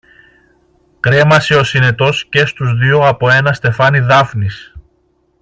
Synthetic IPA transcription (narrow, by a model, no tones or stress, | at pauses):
kɾe̞mɐseo̞sine̞t̪o̞sce̞st̪uzðioɐpo̞e̞nɐst̪e̞fɐniðɐfnis